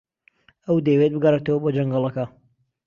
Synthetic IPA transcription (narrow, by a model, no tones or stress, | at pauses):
ɐwd̪ewet̪̚bɨɡɐret̪ɐwɐbod͡ʒɐŋɡɑlˠɐkɐ